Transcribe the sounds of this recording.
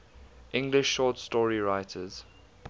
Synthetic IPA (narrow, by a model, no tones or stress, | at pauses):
ʔɪ̃ŋɡlɪʃːɔːtstɔːɹiɹaɪtʰəz̥